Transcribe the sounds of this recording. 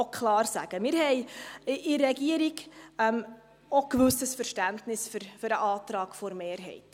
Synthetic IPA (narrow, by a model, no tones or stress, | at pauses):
okʰlɑːrsæ̰ɡ̥əmɪɾhɛɪʔɪrːɛɡiəɾiɡɛm | okvʉsəsfərʃtæntnɪsfʏɾfʏɾəʔɑːtɾɑːɡ̥fɔɾmeːrɦɛ̰ɪt